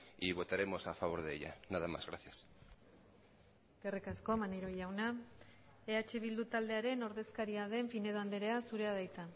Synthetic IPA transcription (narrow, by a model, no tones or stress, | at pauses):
iβ̞o̞t̪aɾe̞mo̞safaβ̞o̞ɾðeḛʎa̰naðama̰zɣɾaθjas | kerekasko̞manejɾo̞ʝawna | e̞at͡ʃe̞β̞ild̪ut̪ald̪e̞aɾe̞no̞ɾðe̞skaɾiað̞e̞ɱfine̞ð̞oand̪eɾe̞asuɾe̞aðajt͡s̪a